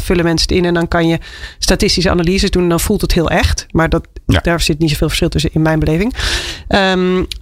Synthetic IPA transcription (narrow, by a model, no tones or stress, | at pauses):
føləmɛnsə̥tɪnɛndɔnkɑnjəstatɪstisəʔa̰nalizədunndɔnfulˠtəthiəʔɛxtmaɹdɔtdaːɹsɪtnitsofɪːlˠfə̥ɹsχɪlˠtøs̬ənɪnmɛjnbəleːvɪŋʔə